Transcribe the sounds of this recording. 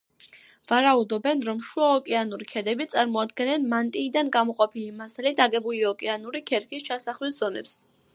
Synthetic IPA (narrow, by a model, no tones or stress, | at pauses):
vaɾaud̪ɔbɛnɾɔmʃuaɔkʼɛanuɾikʰɛd̪ɛbit̪sʼaɾmɔad̪ɡɛnɛnmant̪ʼiːd̪anɡamɔqʼɔpʰilimasalit̪ʰaɡɛbuliɔkʼɛanuɾikʰɛɾkʰist͡ʃʰasaχlisz̥ɔnɛ̰ps